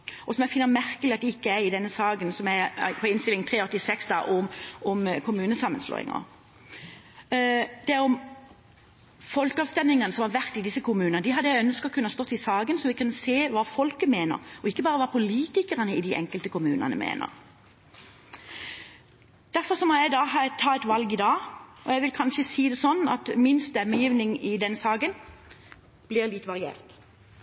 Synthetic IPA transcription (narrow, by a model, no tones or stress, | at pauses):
ʔɔsɔmæɪfɪnːəmæɾkəlɪɑt̪d̪ɛɪkːəæɾɪd̪ɛnːəsɑːɡənsɔmæɪpʰɔɪnst̪ɪlɪŋt̪ʰʁeːɔt̪ːɪsɛksd̪ɑ̰ʔʊʊmkʰʊmʉːnəsɑmːənslo̰ːɪ̰ŋə̰ | d̪̥ɛæɾɔm | fɔlkəɑːʋst̪ɛnɪŋɑnəsɔmhɑɾʋæʁt̪ːɪd̪ɪsːəkʰʊmʉːnəəd̪ɪhɑd̪ːəjæɪœnskəɔkʰʉnəhɑst̪ɔt̪ːɪsɑːɡənsɔmʋɪkʉnseːʋɑːfɔlkəmeːnə̰ɾɔɪkːəbɑːʁəʋɑːpʰʊliːt̪ɪkəʁənəɪd̪ɪʔɛ̰ŋkəlt̪əkʰʊmʉːnɑ̰nə̰mʔḛːnə̰ʁ | d̪̥æʁfɔʁsɔmɔjæɪd̪ɑːhɑt̪ʰɑːɛt̪ʋɑlɡɪd̪ɑːʔɔjæɪʋɪlkʰɑnʃəsiːd̪ɛsɔnːɑ̰t̪mɪnst̪ɛmːəjiːʋnɪŋɪd̪ɛnsɑːɡən | b̥lɪʁlɪt̪ʋɑʁɪḛːʁt̪